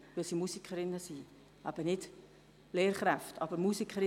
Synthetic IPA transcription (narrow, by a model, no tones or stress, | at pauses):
ʋɪlsimusikʰəɾɪnːəsi | ʔæb̥ənɪd | leːɾχɾæftʰɑ̰b̥əɾmusikʰəɾɪ